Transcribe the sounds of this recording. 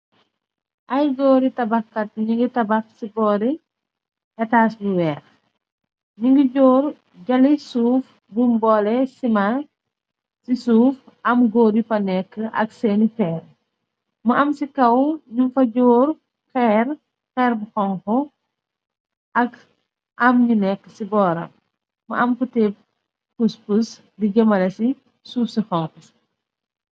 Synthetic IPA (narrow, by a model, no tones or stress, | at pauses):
ʔɐjɡɔːɾitɐbɐxkɐt̚ɲiŋɡitɐbɐxsibɔːɾi | hɛtaːsbuwɛːx | ɲuŋɡiɟɔːr | ɟɐlisuːf | bumbɔlɛsima | sisuːf | ɐmɡoːɾipɐnɛkːəʔɐ̰ksɛːnifɛːr | mɐʔɐmsikɐwɲumfɐɟɔːɾ | xɛːr | xɛɾbuxɔŋxɔ | ɐk | ʔɐmɲunɛkːə̥sibɔːɾɐ̰mː | ɐ̰ɐmkutɛp̚ | puspus | diɟɐmɐlɐsi | suːfsixɔŋkus